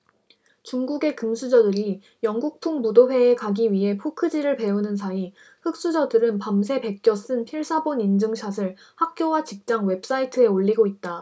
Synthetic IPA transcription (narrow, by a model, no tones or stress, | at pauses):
t͡ɕuŋɡuɡe̞kɯmsʰud͡ʑʌdɯɾi | jʌŋɡuk̚pʰuŋmudoɸwe̞ːkaɡiɥiɦe̞pʰokʰɯd͡ʑiɾɯɭpe̞unɯnsʰai | hɯk̚s͈ud͡ʑʌdɯɾɯnpams̬ʰe̞pe̞k̚k͈jʌs͈ɯnpʰiɭsʰabonind͡ʑɯŋɕʰasʰɯɭ | hak̚k͈jowat͡ɕik̚t͡ɕ͈aŋwe̞p̚s͈aitʰɯe̞oɭʎːiɡoit̚t͈a